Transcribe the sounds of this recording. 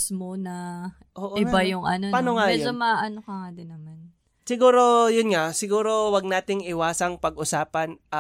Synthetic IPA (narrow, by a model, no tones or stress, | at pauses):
smonɐ | ʔoʔoɪbbajʊŋʔɐ̰nopaːnoŋaɛjoomaʔɐnokɐŋad̪ɪnːɐman | sɪɡuːɾo̞jʊnŋasɪɡuːɾo̞wɐɡ̚naːt̪ɪŋʔɪwaːsɐŋpɐɡʔʊsaːpɐn